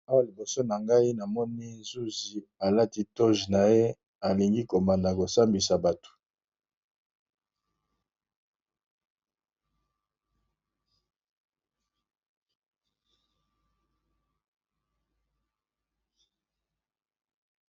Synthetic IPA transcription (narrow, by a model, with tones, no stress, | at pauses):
a˦a˨li˨bo˨so˦na˨ŋɡa˦i˦na˨mɔ˦ni˦zu˦zi˨a˨la˦ti˦to˦ʒna˨je˦ | a˨li˨ŋɡi˦ko˨ma˨nda˨ko˨sa˦mbi˨sa˨ba˨tu̥˨